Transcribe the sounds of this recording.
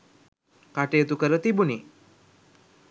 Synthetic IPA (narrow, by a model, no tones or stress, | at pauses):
kaʈeːt̪ukəɾət̪ibuni